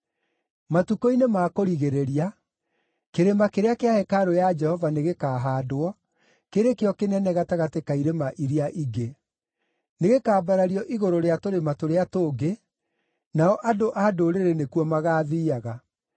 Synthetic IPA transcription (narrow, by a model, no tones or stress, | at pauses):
matukoinemaːkoɾiɣeɾeɾia | keɾemakeɾeakeahɛkaɾojad͡ʒɛhɔvaneɣekaːɦaːdowɔ | keɾekeɔkenɛnɛɣataɣatekaiɾemaʔiɾiaʔiɡe | neɣekaːbaɾaɾiɔʔiɣoɾoɾeatoɾematoɾeatoːɡe | naɔʔadoʔadoɾeɾenekuɔmaɣaːðiːaɣa